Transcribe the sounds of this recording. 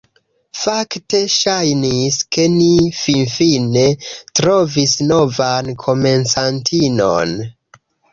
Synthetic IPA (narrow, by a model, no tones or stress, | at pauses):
fakte̞ʃajniske̞nifinfine̞tɾo̞visno̞vankʰo̞me̞nsantʰino̞̰n